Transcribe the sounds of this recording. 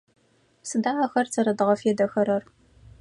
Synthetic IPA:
sɨdaːʕaxɐrt͡sʰɐɾɐdɨʁɐfeːdɐxɐɾɐr

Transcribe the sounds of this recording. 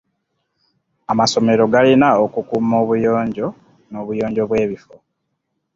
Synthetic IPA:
amaso̞me̞ɾo̞ɡalinaokukumo̞ːβujo̞ːɲɟo̞ | no̞ːβujo̞ːɲɟo̞βwe̞ːβifo

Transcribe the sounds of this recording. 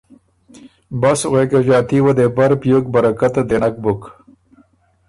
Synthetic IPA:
basɣekeʒɑːt̪iwad̪ebaɾpjok̚bɐɾakat̪ad̪enak̚bʊk

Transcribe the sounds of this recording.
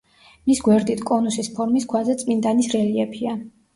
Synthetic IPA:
misɡwɛɾd̪it̪ʰkʼɔnusispʰɔɾmiskʰwazɛt̪sʼmind̪ʼanisɾɛliɛpʰia

